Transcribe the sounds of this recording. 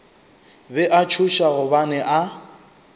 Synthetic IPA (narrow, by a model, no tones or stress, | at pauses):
bɛʔat͡ʃʰuʃaɣʊbanɛʔa